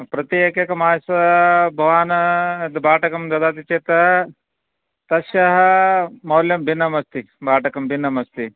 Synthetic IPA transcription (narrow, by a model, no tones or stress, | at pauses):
pɾɐt̪ijekjɐkɐmaːsɐbʱɐʋaːnɐd̪baːʈɐkɐmd̪ɐd̪aːt̪it͡ʃeːt̪ɐ | t̪ɐʃjɐɦɐmɐwljɐmbʱinːɐmɐst̪i | bʱaːʈɐkɐmbʱinːɐmɐst̪i